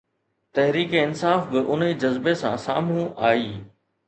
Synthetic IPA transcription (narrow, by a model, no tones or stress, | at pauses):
t̪ɐɦɾiːkeɪnsaːfbɪʔʊnid͡ʑɐzbesã̰sa̰ːm̤ũaːiː